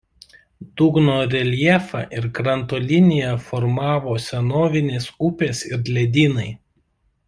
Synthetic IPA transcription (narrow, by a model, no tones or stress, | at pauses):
d̪̥uːɡnoːɾʲɛlʲiɛfɑ̰ʔɪɾkɾɐnt̪oːlʲɪnʲɪjɛfɔɾmɑːʋoːsʲɛnoːʋʲɪnʲeːsʊpʲeːsɪɾd̪lʲɛd̪ʲiːnɐɪ